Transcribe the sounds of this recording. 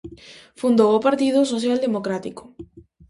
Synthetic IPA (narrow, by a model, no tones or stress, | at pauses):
fund̪owopaɾt̪iðʊsoθjald̪emokɾat̪ikʊ̥